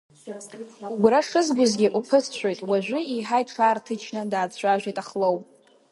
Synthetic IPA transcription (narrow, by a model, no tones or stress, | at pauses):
ɡʷɾaʂɨzɡʷʊzɡʲɪʔupʰɨsʰt͡ɕʷʰojtʼwaʒʷᶣʊiħajtʈ͡ʂʷʰaːrtʰɨt͡ʃʰnɨdaːt͡sʰʷaʒᶣʷejtʼaχlowpʼ